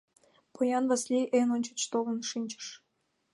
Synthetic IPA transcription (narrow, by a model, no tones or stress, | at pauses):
pʰojɑnβɑslʲiʔenonʲt͡ɕə̥̆t͡ɕt̪olə̆nʃinʲt͡ɕə̥ʃ